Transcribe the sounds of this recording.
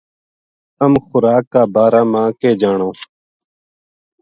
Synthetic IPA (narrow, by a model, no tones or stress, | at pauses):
əmxʊɾaːkːaːbaːɾaːmãːkeːd͡ʒaːɳõː